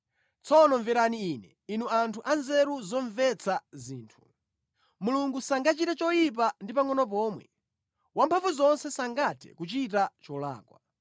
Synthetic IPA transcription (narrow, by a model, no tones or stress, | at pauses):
t͡sʰɔnɔɱvɛɾaniinɛ | inuantʰuʔanzɛɾuzɔɱvɛt͡sʰaziːntʰu̥ | muluŋɡusaŋɡat͡ʃitat͡ʃɔjip̬andipaŋɔnɔp̬ɔːmwɛ̰ | wampʰaɱvuzɔnsɛsaŋɡatʰɛ̥̰kut͡ʃitat͡ʃɔla̰ːkwa